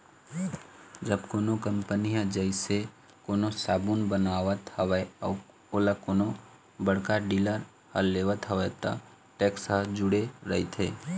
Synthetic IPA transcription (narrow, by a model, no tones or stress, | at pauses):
d͡ʒəbkoːnokəmpənijãd͡ʒəɪse | koːnosaːbunbənaːʋət̪həʋəɔː | oːlakoːno | bəɽkaɖiləɾ | həlːeːʋət̪ɦəʋət̪a̰ | ʈɛːksɦəd͡ʒʊɽeɾəit̪ʰeː